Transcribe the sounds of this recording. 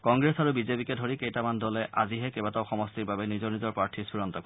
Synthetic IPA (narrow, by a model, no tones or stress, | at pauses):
kɔŋɡɹesaɹubizepikɛdʱoɹikejtamandɔlɛʔa̰ziɦɛkebataʊxɔmɔstiɹbabɛnizɔɹnizɔɹpɹaɹtʰiɹsiɹɔntɔk